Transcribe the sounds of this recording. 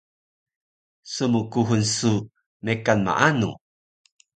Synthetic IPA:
sumukuɦunsu | mekanma̰ʔanṵ

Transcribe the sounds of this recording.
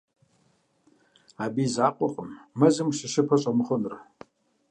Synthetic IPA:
abizaːqʷʼɔqʼəmːɐzɨmʃɐʃɪpʰɐɕʷʼamɨχʷʊnr

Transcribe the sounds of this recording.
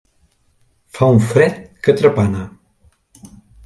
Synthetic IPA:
fauɱfɾɛt̪̚kət̪ɾəpanə

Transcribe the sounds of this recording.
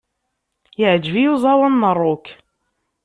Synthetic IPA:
jəʕd͡ʒvijuzˤɑwɑnːərˤːʊk

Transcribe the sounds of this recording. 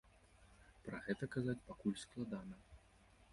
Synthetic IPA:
pɾɐɣɛt̪ɐkazat͡sʲpakulʲsklˠad̪anɐ

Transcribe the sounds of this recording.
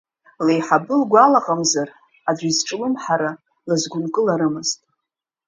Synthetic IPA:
lejħabɨlɡʷalaqʼamzar | ad͡ʒʷizʈ͡ʂʼɨlɨmħaɾa | lazɡʷʊnkʼɨlaɾɨmɨztʼ

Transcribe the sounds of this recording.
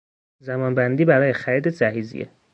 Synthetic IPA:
zæmɒːnbænd̪iːbæɾɒːjexæɾiːd̪ezæɦiːzḭjḛ

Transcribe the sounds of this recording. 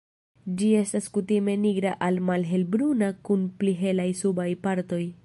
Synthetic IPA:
d͡ʒie̞staskutime̞niɡɾaʔalmalɦe̞lbɾunakunpliɦe̞lajsubajpaɾto̞j

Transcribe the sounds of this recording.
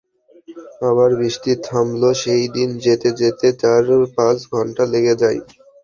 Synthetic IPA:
aβaɾbɾiʃʈit̪ɦamloʃejd̪ind͡ʑet̪ed͡ʑet̪et͡ɕaɾpat͡ɕɡʱɔɳʈaleɡed͡ʑaj

